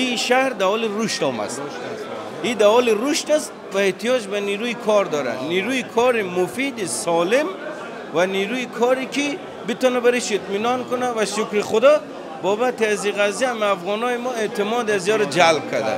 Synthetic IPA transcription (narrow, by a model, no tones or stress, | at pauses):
iʃahɾd̪aɦɔliɾuʃt̪ɔma̰st̪ | id̪aɦɔliɾuʃt̪ast̪ | vaeht̪ijɔd͡ʒbaniɾuikʰɔɾd̪ɔɾa̰d̪niɾuikʰɔɾimufid̪isɔlim | vaniɾuikʰɔɾiki | bit̪ɔnabaɾiʃit̪minɔnkunavaʃukɾiχud̪ɔ | bɔbat̪iaziɣazaamafʁɔnɔimɔet̪imɔd̪azijɔɾad͡ʒalb̚kʰad̪a̰